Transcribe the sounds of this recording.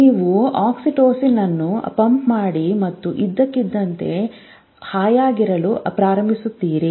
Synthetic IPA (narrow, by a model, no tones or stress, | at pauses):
niːʋuaːksiʈoːsinːɐnːupɐmpmaːɽimɐt̪ːuʔid̪ːɐkːid̪ːɐnt̪e̞̰ | haːjaːɡiɾɐlupɾaːɾɐmbʱisut̪ːiːɾi